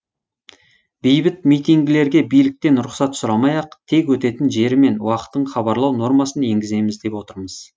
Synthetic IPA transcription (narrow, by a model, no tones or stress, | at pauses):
bejbɪt̪mijt̪iŋɡʲɪle̞ɾɡʲe̞bijlɪk̚t̪e̞nɾʊqsɑt̪sʊɾɑmɑjɑqt̪ʰe̞kwɵt̪e̞t̪ɪnʒe̞ɾɪme̞nwɑqə̥t̪ːəɴχɑbɑɾlˠɑwno̞ɾmɑsəne̞ŋɡʲɪze̞jmɪzd̪e̞pwo̞t̪əɾməz̥